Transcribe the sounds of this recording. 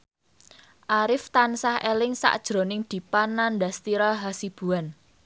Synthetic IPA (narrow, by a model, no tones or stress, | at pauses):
ʔaɾɪft̪ansahelɪŋsa̰ʔd̥ʒ̥ɾo̤nɪŋd̪̥i̤panːandast̪iɾɔɦasib̥ṳan